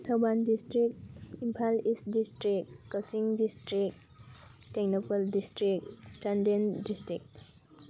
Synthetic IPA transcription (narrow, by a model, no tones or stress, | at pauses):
tʰawbandistɾik̚t̚impʰalist̚distɾik̚kasiŋdistɾik̚ | teknɔpaldistɾik̚t͡ʃandendistɾik̚t